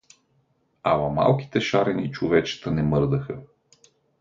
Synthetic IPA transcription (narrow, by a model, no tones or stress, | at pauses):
amɐma̰lˠki̥t̪ɛʃaɾɛnit͡ʃʊvɛt͡ʃɛ̥t̪ənɛmɤɾd̪əxə